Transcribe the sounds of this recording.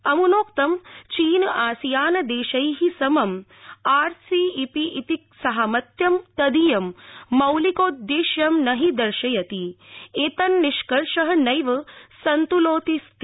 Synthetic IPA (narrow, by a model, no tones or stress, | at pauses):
ɐmunoːkt̪ɐmt͡ʃiːnaːsijaːnɐd̪eːʃɐjɦisɐmɐmaːɾsiːipiʔit̪ik̚sɐɦɐmɐt̪jɐmt̪ɐd̪ijɐmːɐwlikoːd̪jeːʃjɐmnɐɦid̪ɐɾʃɐjɐt̪ieːt̪ɐnːiʃkɐɾʂɐɦɐnɐjʋɐsɐnt̪uloːt̪ist̪